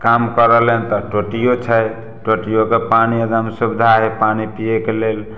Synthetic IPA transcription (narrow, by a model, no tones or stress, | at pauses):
kamkəɾəlent̪ɔʈoʈijot͡ʃʰɛ | ʈoʈijokepaniəd̪əmsubd̪ʱaɦepanipijekelel